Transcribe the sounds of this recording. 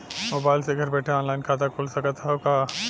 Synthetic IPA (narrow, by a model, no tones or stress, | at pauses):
moːbaːɪlseɡʱɐɾbɛːʈʰeɔːnlaːɪnkʰaːt̪akʰoːlsɐkət̪ʰɦaoka